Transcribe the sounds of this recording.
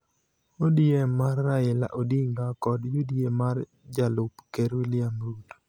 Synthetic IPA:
odijemarːaɪla̰ʔodiŋɡakɔdjodijemar | d͡ʒalʊpkeɾwɪlɪamɾut

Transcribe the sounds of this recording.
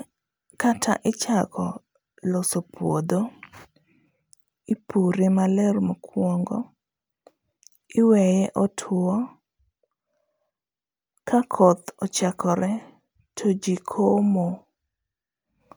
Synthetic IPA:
katʰa̰ʔɪt͡ʃakʰɔ | lɔsopwod̪o | ipuɾemalɛɾmɔkʰwɔŋɡɔ | ɪwɛjɛʔɔtʰʊɔ | kakʰɔt̪ɔt͡ʃakʰɔɾɛ | tʰod͡ʒikʰomo

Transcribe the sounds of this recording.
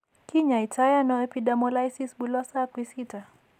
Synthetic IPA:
kiɲaitʰajanɔɛpidamɔlajsisbulɔsakwisita

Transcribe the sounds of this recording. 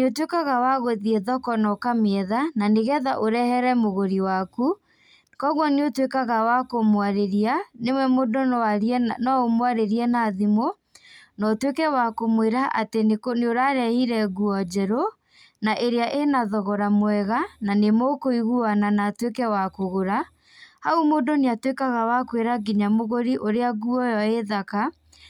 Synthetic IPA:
eotwekaɣawaɣoðieðɔkɔnɔkameɛðananeɣɛðaʔoɾɛhɛɾɛmoɣoɾiwaku | kɔɣwɔneotwekaɣawakomwaɾeɾianemwɛmodo | nɔomwaɾeɾiɛnaðimo | nɔtwekɛwakomweɾaʔatenekoneoɾaɾɛhiɾɛɣuɔd͡ʒɛɾo | naʔeɾeaʔenaðɔɣɔɾamwɛɣananemokoiɣuananatwekɛwakoɣoɾa | haumodoneatwekaɣawakweɾaɡiɲamoɣoɾiʔoɾeaɣuɔjɔeðaka

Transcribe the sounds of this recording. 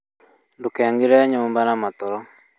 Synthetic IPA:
ndukɛaŋɡiɾɛɲɔːmbanamat̪ɔɾɔ

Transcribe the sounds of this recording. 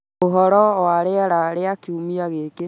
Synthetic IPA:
oɦɔɾɔwaɾeɛɾaɾeakiumiaɣeke

